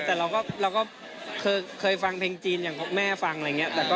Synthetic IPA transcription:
t̪ɛː˨˩ɾa˧wkɔː˥˩ɾaː˧wkɔː˥˩ | kʰɤː˧jkʰɤː˧jfa˧ŋpʰeː˧ŋt͡ɕiː˧njaː˨˩ŋpʰːmɛː˥˩fa˧ŋʔŋi˦˥ɐt̪ɛː˨˩kɔː˥˩

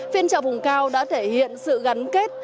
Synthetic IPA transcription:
fi˧ənt͡ɕə̰ː˧˨vʊ˨˩ŋ͡mkaː˧wɗa̰ː˧˥t̪ʰe˧˩hḭ˧˨ənsɨ̰˧˨ɣa˨˦nke˦˥t̚

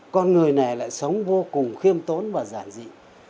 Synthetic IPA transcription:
kɔ˧nŋɨ˨˩əjna˨˩jla̰ː˧˨jsə˨˦wŋ͡mvo˧kʊ˨˩ŋ͡mxi˧əmt̪o˨˦nvaː˨˩zaː˧˩nzḭ˧˨

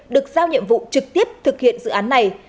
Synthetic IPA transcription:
ɗɨ˨˩ək̚zaː˧wɲḭ˧˨əmvṵ˧˨t͡ɕɨ˨˩k̚t̪i˦˥əp̚t̪ʰɨ˨˩k̚hḭ˧˨ənzɨ̰˧˨ʔaː˨˦nːa˨˩j

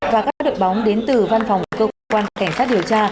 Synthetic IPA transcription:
vaː˨˩kaː˦˥k̚ːɗo̰˧˨jɓa˨˦wŋ͡mɗe˨˦nt̪ɨ˨˩va˧nfɔ˨˩wŋ͡mkəː˧kwaː˧n˩ka˧˩ŋ̟saː˦˥t̚ɗi˨˩əwt͡ɕaː˧

